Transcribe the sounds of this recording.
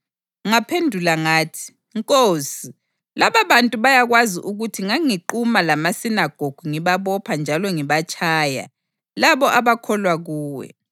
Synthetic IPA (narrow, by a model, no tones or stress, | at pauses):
ŋapʰendʱulaŋaːtʰi̥ | ŋkʼoːsi | laβaβantʼuβajaɣwaziʔuɣutʰiŋaŋiǃumalamasinaɡ̥ʱoɡ̥ʱuŋiβaβɔpʰand͡ʒʱalɔŋiβat͡ʃʼaːja̰ | laβɔʔaβakʰɔlwaɣuːwɛ̰